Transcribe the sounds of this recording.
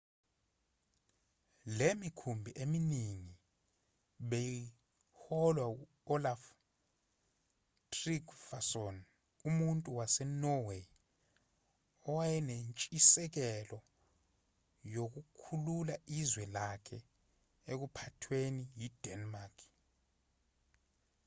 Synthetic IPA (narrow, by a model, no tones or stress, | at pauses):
lemikʰumbʱiʔeminiŋi | ɓɛji | hɔlwau | ɔlaf | tʼriɡfasɔn | umuntʼuwasɛnɔwe | ɔwajɛnent͡ʃʼisɛk̬ɛlɔ | jok̬ukʰululaizwɛlakʰɛ | ek̬upʰatʰwenijid̥ʱɛnmakʰ